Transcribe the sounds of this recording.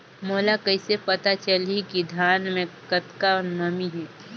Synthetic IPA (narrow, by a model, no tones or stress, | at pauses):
moːlakɐɪsepɐt̪at͡ʃəlikid̪ʱjaːnmẽkət̪kanəmiɦɛ